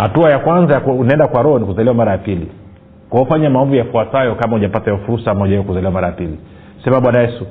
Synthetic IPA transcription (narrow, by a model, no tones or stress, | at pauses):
hatuajakwanzajakunaɛndakwaɾɔhɔnikuzaliwamaɾajapilḭ | kwahɔfaɲamaɔmvujafuatajɔkamauʄapatajɛɔfuɾusamɔʄaɛjɔkuzaliwamaɾajapili | sɛmaɓwanajɛsu